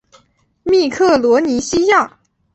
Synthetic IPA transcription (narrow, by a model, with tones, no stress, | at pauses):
mi˥˧kʰɤ˥˩lwɔ˧˥ni˧˥ɕi˥ja˥˩